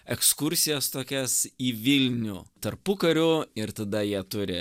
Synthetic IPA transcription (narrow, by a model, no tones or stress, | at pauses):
ɛkskʊɾʲsʲɪjɛst̪oːkʲɛsiːʋʲɪlʲnʲṵːt̪ɐɾpʊkɐɾʲʊɪɾt̪ɐd̪ɐjiɛt̪ʊɾʲɪ̰